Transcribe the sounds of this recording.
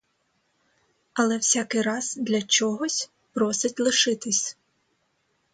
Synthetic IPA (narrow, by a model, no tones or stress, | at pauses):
ɐlˠɛwsʲakɪjɾɑz̥d̪lʲɐt͡ʃɔɦɔsʲ | pɾɔsɪtʲlˠɪʃɪt̪ɪsʲ